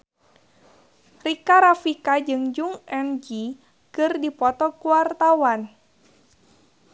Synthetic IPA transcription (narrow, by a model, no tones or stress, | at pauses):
rikaɾafikad͡ʒɨŋd͡ʒuŋɛnd͡ʒi | kɨrdipɔt̪ɔkuwart̪awan